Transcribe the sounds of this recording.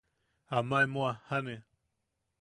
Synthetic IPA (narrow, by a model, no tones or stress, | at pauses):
amãemõahane